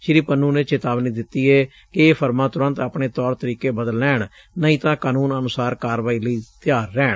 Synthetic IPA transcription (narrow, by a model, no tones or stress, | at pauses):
ʃɪɾiːpənuːnẽːt͡ʃeːt̪aːʋniːd̪ɪt̪ːiːɛː | kɪeːpʰəɾmãːt̪ʊɾə̃nt̪apɳeːt̪ɔːɾt̪əɾiːkeːbəd̪əlnɛːɳ | nəĩːt̪ãːkaːnuːnənʊsaːɾkaːɾʋaːiːləiːt̪ɪjaːɾːɛːɳ